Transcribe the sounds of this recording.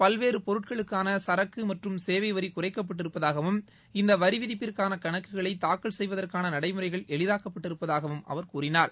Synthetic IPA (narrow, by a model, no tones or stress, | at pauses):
pɐlʋeːɾɯpɔɾɯʈ̚kɐɭɯkːaːnɐsɐɾɐkːɯmɐʈrɯmseːʋɐɪʋɐɾikʊrɐɪkːɐp̬ːɐʈ̬ːɪɾɯpːɐðaːɣɐʋɯm | ɪnd̪ɐʋɐɾɪʋɪðɪpːɪrkaːnɐkɐɳɐkːɯɣɐɭɐɪt̪ːaːkːɐɭsɛjʋɐðɐrkaːnɐnɐɽɐɪmɯrɐɪɣɐɭɛɭɪðaːkɐpːɐʈːɪɾɯpːɐðaːɣɐʋɯmɐ̰ʋɐɾkuːrɪnaːɾ